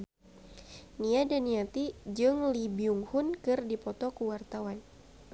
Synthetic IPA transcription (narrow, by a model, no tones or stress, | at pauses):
niadaniat̪id͡ʒɨŋlibiuŋhʊnkɨrdipɔt̪ɔkuwart̪awan